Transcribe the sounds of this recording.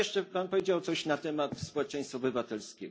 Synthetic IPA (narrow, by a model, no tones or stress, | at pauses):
ɛʂt͡ʂɛpanpɔvʲjed͡ʑawt̪sɔɕnat̪ɛmat̪spɔwɛt͡ʂɛj̃st̪faɔbɘvat̪ɛlskʲɛ̰ɡ